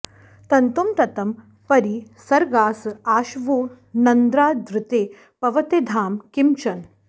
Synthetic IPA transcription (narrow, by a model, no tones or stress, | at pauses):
t̪ɐnt̪umt̪ɐt̪ɐm | pɐɾisɐɾɡaːsaːʃʋoː | nɐnd̪ɾaːd̪ɾɪt̪eː | pɐʋɐt̪ed̪ʱaːmkimt͡ʃɐn